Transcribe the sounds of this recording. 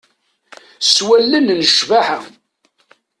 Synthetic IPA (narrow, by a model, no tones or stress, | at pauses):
swælːənnəʃvaħa